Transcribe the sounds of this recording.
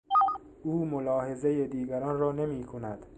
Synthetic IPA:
uːmolɒːhe̞ze̞jed̪iːɡæɾɒːnrɒːne̞miːkʰo̞næd̪̥

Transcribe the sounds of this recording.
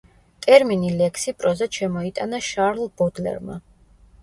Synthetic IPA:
t̪ʼɛɾminilɛkʰsipʼɾɔzat̪ʃɛmɔit̪ʼanaʃaɾlˠbɔd̪lɛ̰ɾma̰

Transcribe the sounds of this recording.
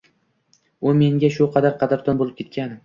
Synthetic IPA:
ʊme̞ŋɡʲaʃʊqʰɑd̪aɾqʰɑd̪aɾd̪ɒnbolˠɪp̚kʲe̞t̪kʲanɪ

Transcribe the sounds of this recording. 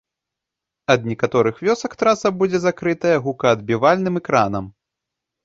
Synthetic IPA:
ɐd̪̚nʲɛkat̪ɔɾɨxvʲɔsɐkt̪ɾasɐbud͡zʲɛzakɾɨt̪ɐjɐɣukɐːd̪̚bʲivalʲnɨmɛkɾanɐm

